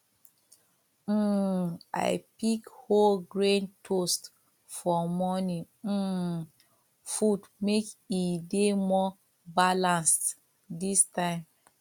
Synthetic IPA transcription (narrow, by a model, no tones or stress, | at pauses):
a̰jpikholɡɹẽntʰost | fɔmɔnĩ | fudmekidemɔ | balãns | distãɪ̃m